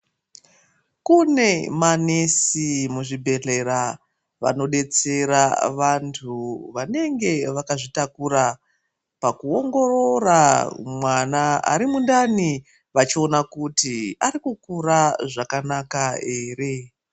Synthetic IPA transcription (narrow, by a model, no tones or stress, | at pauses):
kune̞mane̞simuʐibʱe̞ɮe̞ɾa | ʋa̰no̞ɗe̞t͡se̞ɾaʋantʰuʋane̞ŋɡe̞ʋakaʐitakuɾa | pakuo̞ŋɡo̞roramwanaa̰ɾimundani | ʋat͡ʃio̞nakutiaɾikukuraʐakanakae̞ːre̞